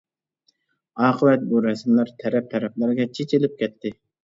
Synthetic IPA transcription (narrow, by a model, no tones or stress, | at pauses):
ɑːqʰəwɛt̪̚buɾɛsmlæɾt̪ʰɛɾɛp̚t̪ʰɛɾɛplˠɨɾɡʲɛt͡ʃʰet͡ʃʰilɪp̚kʲʰɛt̪ʰːɪ